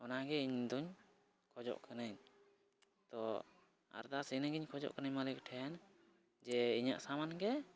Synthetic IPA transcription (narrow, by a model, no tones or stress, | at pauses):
ɔnaɡɛiɲd̪uɲ | kʰɔd͡ʒɔ̰ʔkʰanaɲ | t̪ɔ | a̰ɾd̪asinəɡiɲkʰɔd͡ʒɔ̰ʔkanəɲmalik̚ʈʰɛn | d͡ʒɛiɲa̰ʔsamanɡɛ